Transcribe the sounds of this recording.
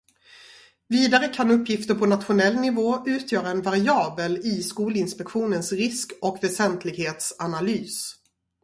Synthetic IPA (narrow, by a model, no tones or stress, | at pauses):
viːd̪aɾəkʰanɵpːjɪft̪əɾpʰɔnat̪ɧʊnɛlːnɪvoːʔʉ̟ːt̪ʰjœːɾaɛnvaɾɪɑːbəlɪskuːlɪnspɛkɧuːnənsɾɪskɔkvɛsɛnt̪ʰlɪɡheːt̪sanalyːs